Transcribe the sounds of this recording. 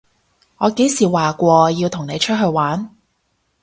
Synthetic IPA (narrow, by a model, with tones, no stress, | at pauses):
ŋɔː˨˧ke˨˥jsiː˨˩waː˨kʷɔː˧ji˧wt̪ʰʊ˨˩ŋne˨˧jt͡ʃʰɵ˥t̚ɦɵ˧ɥwaː˨˥n